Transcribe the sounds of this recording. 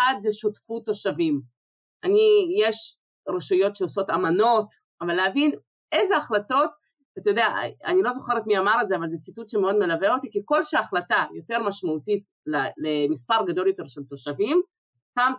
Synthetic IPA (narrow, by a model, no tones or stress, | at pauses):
adzeʃotfuto̞ʃavim | ʔanijeʃ | ʁeʃujo̞tʃeoso̞tamano̞t | avalːeavin | ezeaχlato̞t | at̪ajod̪ea̰a̰nilo̞zo̞χe̞ʁet̪miamaʁezeavalzet͡situtʃemeo̞d̪me̞laveot̪ikiko̞lʃeaːχlatajo̞te̞ʁmaʃmautit̚ | llemispaʁɡad̪o̞ljo̞t̪e̞ʁʃelt̪o̞ʃavim | pam